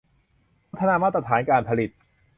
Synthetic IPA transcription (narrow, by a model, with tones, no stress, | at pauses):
a˥t̪ʰːa˧naː˧maː˥˩t̪ɾa˧t̪ʰaː˩˦nkaː˧npʰa˧li˨˩t̪̚